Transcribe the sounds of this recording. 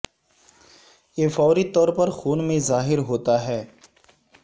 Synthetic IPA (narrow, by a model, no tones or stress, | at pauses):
jeːfɔːɾit̪ɔːɾpɐɾxuːnmẽzaːɦɪɾɦoːt̪aɦɛː